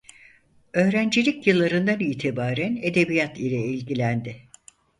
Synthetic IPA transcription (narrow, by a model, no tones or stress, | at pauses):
ø̞ːɾænd͡ʒilʲicjɯlˠːaɾɯnd̪aniːt̪ʰibaːɾæne̞d̪e̞bijat̪ilʲɛilʲɟilʲænd̪ɪ